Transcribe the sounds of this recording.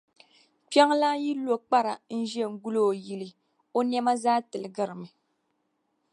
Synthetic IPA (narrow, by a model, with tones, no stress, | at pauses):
pa˦ŋla˦ji˦lo˦˨k͡pa˦ɾa˨n̩˦ʒɛ˦˨ŋ̩˦ɡu˦lo˦˨ji˨lɨ˨ | o˦nɛ˦ma˦zaː˦tɨ˨lɨ˨ɡɨ˦ɾɨ˨mɨ˨